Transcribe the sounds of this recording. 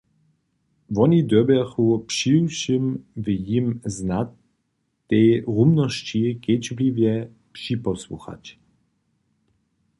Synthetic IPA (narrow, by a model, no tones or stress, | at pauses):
vɔnid̪ɔbɛxupʂiwʃimvjimznat̪ː | ɛjʁumnɔɕt͡ɕiket͡ɕblivjɛ | pʂipɔswṵxa̰t͡ɕ